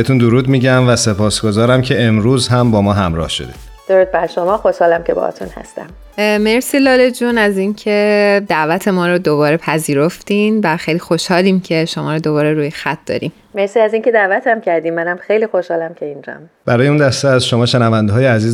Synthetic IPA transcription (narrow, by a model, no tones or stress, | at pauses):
et̪ʰund̪oɾuːd̪miːɟæmvæse̞pʰɒːsɡ̥o̞zɒːɾæmcʰe̞emɾuːzɦæmbɒːmɒːɦæmɾɒ̰ːhʃo̰d̪i̥ | d̪̥oɾuːd̪̚bæɾʃomɒːxoʃhɒːlæmcebɒ̰hɒ̰t̪ʰṵnhæ̰st̪æ̰m | me̞ɾsiːlɒːle̞d͡ʒuːnæziːncʰe̞d̪æʔvæt̪ʰe̞mɒːɾɒd̪obɒːɾe̞pʰæziːɾoft̪iːnvæxejlixo̞ʃhɒːliːmcʰe̞ʃo̞mɒːɾɔd̪o̞βɒːɾe̞ɾuːjexæt̪̚ʰd̪̥ɒ̰ːɾḭm | meɾsiæzince̞d̪ævæt̪ʰæmcʰæɾd̪iːmːænæmxejliːxoʃhɒːlæmcʰeind͡ʒɒ̰m | bæɾɒːjeund̪æst̪eæzʃo̞mɒːʃenævænd̪eɒːjeæziːz